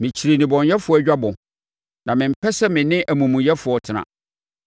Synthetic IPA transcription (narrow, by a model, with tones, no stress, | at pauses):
mɪ̃˨t͡ɕʰi˨ɾe˨nĩ˨bɔ̃˨njɛ˦fʊ˨˦ɔ˦æ˨˦d͡ʑᶣa˦bɔ̃˨ | nã˨mɪ̃˨m̩˦pʰɛ˦sɛ˦mɪ̃˨nɪ̃˦ʔæ˨mũ˨mũ˨jɛ˦fʊ˨ɔ˨tʰɪ˨nã̰˨